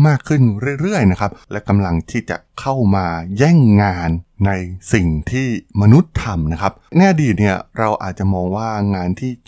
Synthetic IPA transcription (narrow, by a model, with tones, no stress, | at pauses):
maː˥˩kʰːɯ˥˩nɾɯ˥˩əjɾɯ˥˩əjna˦˥kʰa˦˥p̚lɛ˦˥wka˧mla˧ŋt̪ʰiː˥˩t͡ɕa̰˨˩kʰa˥˩wmaː˧jɛː˥˩ŋːaː˧nːa˧jsi˨˩ŋt̪ʰiː˥˩ma˧nu˦˥t̪ʰːa˧mna˦˥kʰa˦˥p̚na˧jʔa˧diː˨˩t̪̚ni˥˩ɐɾa˧wʔa̰ː˨˩t̪̚t͡ɕa˨˩mɔː˧ŋwaː˥˩ŋaː˧nt̪ʰiː˥˩